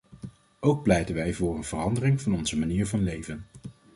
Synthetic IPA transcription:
owk̚plɛjtənʋɛjvʊːɹənv̥ərɑndərɪŋvɑnɔnzəmaniːɹvɑnlejvən

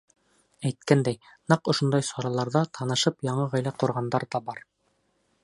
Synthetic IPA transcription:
æjt̪̚kænd̪æjnɑqŏʃond̪ɑjsɑɾɑlˠɑɾðɑt̪ʰɑnɤ̆ʃɤpjɑɴɤʁæjlæquɾʁɑnd̪ɑɾd̪ɑbɑɾ

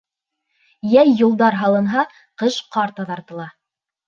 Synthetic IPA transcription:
jæjːulˠd̪ɑɾɦɑlˠɤ̆nɦɑ | qɤʃqɑɾt̪ɑðɑɾt̪ɤ̆lˠɑ

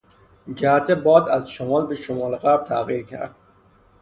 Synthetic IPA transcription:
d͡ʒæhæt̪ʰebɒːd̪æzʃomɒːlbeʃomɒːleɣæɾb̥̚t̪ʰæːɣiːɾcʲʰæ̰ɾd̪̥̚

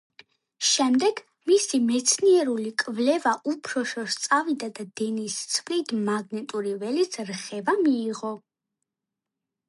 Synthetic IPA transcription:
ʃɛmd̪ɛɡ̥ | misimɛt̪sʰniɛɾulikʼvlɛvaʔupʰɾɔʃɔst̪sʼavid̪ad̪ad̪ɛnist̪sʰvlid̪maɡnɛt̪ʼuɾivɛlit̪sʰɾχɛvamiːʁɔ

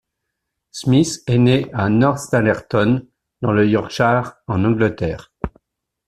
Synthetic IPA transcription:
smisɛneʔanɔʁst̪alɛʁt̪ɔn | d̪ɑ̃ləjɔʁʃaʁɑ̃nɑ̃ɡlət̪ɛːʁ

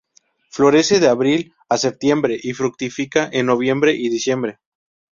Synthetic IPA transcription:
flo̞ɾe̞seðe̞aβɾil | ase̞p̚t̪je̞mbɾe̞ʔifɾuk̚t̪ifikaʔenːo̞β̞je̞mbɾe̞ʔiðisje̞mbɾe̞

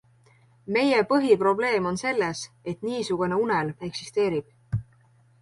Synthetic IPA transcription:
me̞jepɤɦipro̞ble̞ːmo̞nse̞lːes | e̞t̪ˑniːsuɡ̥une̞unele̞ksist̪e̞ːɾib̥

